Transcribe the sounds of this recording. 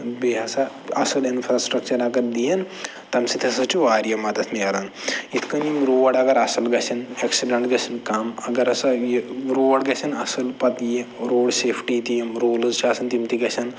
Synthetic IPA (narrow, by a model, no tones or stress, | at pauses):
beɦɐsɐ | ɐsɨlinfʰɾaːsʈɾɐk̚t͡ʃɐɾɐɡɐɾd̪ijɐn | t̪ɐmsit̪ʰɐsɐt͡ʃʰuʋaːɾijɐmɐd̪ɐt̪ʰnijɐɾɐnit̪ʰkɐnimɾoːɐɽɐɡɐɾɐsɨlɡɐt͡ʃʰɐneksiɖɐɳʈɡɐsʰɐnkamɐɡɐɾɐsɐjiɾoːɽɡɐsʰɐnɐsɨlpɐt̪jiɾoːɖseːpʰʈit̪ijimɾoːlɨzt͡ʃʰaːsɐnt̪imt̪iɡɐsʰɐn